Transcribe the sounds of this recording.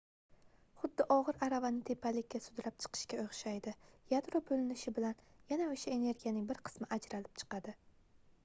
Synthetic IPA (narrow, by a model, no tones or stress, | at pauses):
χʊd̪ːɪʔɒʁɨɾaɾavanɪt̪ʰe̞pʰalɪkʲːasʊd̪ɾap̚t͡ʃʰɨ̥qʰɨ̥ʃkʲaoχʃajd̪ɪjad̪ɾobɵlɪnɪʃɪbɪlanjanaoʃae̞ne̞ɾɡʲijanɪŋbɪɾqʰɨ̥smɪʔad͡ʒɾalɪp̚t͡ʃʰɨ̥qɑd̪ɪ